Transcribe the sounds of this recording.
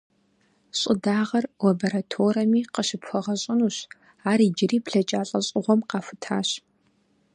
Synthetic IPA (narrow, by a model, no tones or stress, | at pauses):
ɕʼɪdaːʁɐrlabɐɾatʰoːɾɐmiːqəʃɪpxʷɔʁɐɕʼɪnuːɕ | aːriːd͡ʒɪriːpɬɐt͡ʃʼaːɬʼɐɕʼɪʁʷɔmqɑːfɨtʰaːɕ